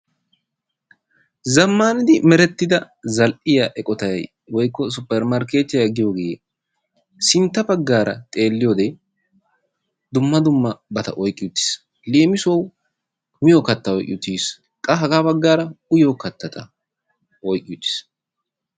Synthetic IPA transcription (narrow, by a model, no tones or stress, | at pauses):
zɐmːaːnɪd̪ɪmɛɾɛt̪ːɪd̪ɐ | zɐlʔɪjaʔɛkʼɔt̪ɐjɐ̰j | wɔjkːɔs̬ʊpːɛɾmɐɾke̞ːt̪ːɪjjɐɡɪjoːɡeje | sɪnt̪ːɐbɐɡːaːɾɐ̰t̪ʼe̞ːlːɪjoːd̪ɛ | d̪ʊmːɐd̪ʊmːɐbɐt̪ɐ̰ʔɔjkʼːɪjʊt̪ːɪ̥s | leːmɪsow | mɪjokɐt̪ːɐɔjkʼɪ̰jʊt̪ːiːs | kʼɐɦɐɡaːbɐɡːaːɾɐʊjoːkɐt̪ːɐt̪ɐ | ʔɔjkʼːɪjʊt̪ːɪ̥s